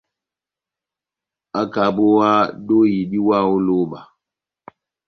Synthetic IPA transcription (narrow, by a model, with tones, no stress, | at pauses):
a˦ka˨bo˦wa˦do˦ji˨ɗi˦wa˦˨o˦loː˦ba˨